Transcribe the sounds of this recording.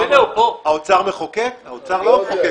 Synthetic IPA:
eoaot͡saʁmeχokekaot͡saʁlomeχoke

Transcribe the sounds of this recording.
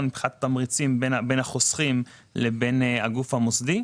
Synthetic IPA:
nmipχinat̪tamʁit͡simbenabe̞nhaχosχim | lebenaɡufhamosd̪i

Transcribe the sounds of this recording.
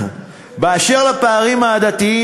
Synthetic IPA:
beaʃeʁlapaːʁimaːd̪at̪ii

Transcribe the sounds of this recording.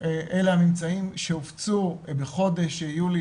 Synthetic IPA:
ʔeleanimt͡saimʃeoft͡subeχo̞d̪e̞ʃeijuli

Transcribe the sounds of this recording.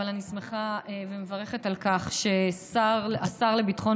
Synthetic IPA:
alanisme̞χaevemevaʁeχe̞talkaχʃe̞saʁasaʁlebitχo̞

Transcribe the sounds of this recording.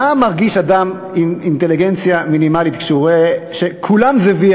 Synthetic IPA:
amaʁɡiʃad̪am | imint̪eliɡent͡sjaminimalit̪kʃuʁeʃekʰulamzevi

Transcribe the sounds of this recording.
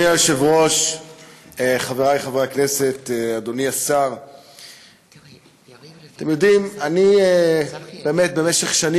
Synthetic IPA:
joʃevʁo̞ʃ | eχaveʁajχaveaknese̞t̪ead̪o̞niasaʁ | at̪emjodimanieb̥e̞ːmet̪̚bemeʃeχʃani

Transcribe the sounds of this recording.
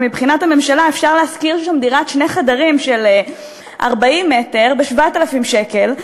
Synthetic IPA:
mibχinathame̞mʃalae̞fʃaʁleaskiʁʃʃamd̪iʁatʃne̞χadaʁimʃe̞le | ʔa̰ʁbaimːete̞ʁbeʃvatalafimʃeke̞l

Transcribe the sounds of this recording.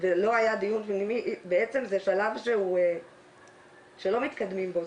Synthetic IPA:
velo̞ajad̪ijunpnimiʔbeet͡se̞mzeʃalavʃeue | ʃelo̞mit̪kad̪mimbo̞

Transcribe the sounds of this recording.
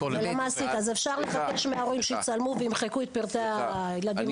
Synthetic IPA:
elamaːsit̪azefʃaʁlevake̞ʃmeaoʁimʃeit͡salmuveimχekuet̪̚piʁt̪ealad̪im

